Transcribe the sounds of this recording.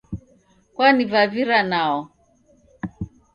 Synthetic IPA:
kwanivaviɾanaɔ

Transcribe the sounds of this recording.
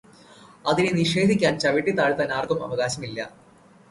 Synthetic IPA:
ɐðineniʂe̞ːd̪ʱikʲːaːnt͡ɕɐʋiʈːit̪aːɻt̪ːɐnaːrɡɐmɐ̰ʋɐɣaːɕɐmilːɐ̰

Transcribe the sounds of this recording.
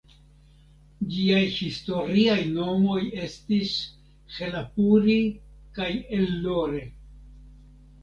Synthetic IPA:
d͡ʒiajhisto̞ɾiajno̞mo̞je̞stis | xe̞lapuɾikajelːo̞ɾe

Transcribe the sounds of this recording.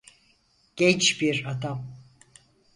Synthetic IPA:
ɟ̥ɛnt͡ʃbiɾad̪am

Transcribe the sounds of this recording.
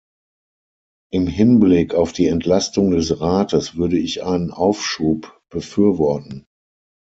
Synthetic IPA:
ʔɪmɦɪnblɪkʰaʊfd̥iːɛntʰlastʊŋdɛsʁaːtəsv̥ʏɐɾəɪçʔa̰ɪnənʔaʊfʃuːpb̥əfyːɐvɔɐtn̩

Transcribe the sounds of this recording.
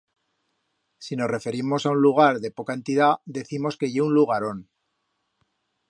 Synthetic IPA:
sino̞sre̞fe̞ɾimo̞saunluɣ̞aɾðe̞po̞kae̞nt̪iðaðe̞θimo̞ske̞ʝeunluɣ̞aɾo̞n

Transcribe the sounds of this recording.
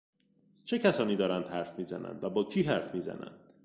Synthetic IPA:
t͡ʃʰecʰæsɒːniːd̪ɒːɾænd̪̥hæɾfmiːzæ̰næ̰nd̪væbɒːcʰiːɦæɾfmiːzæ̰næ̰nd̪̥

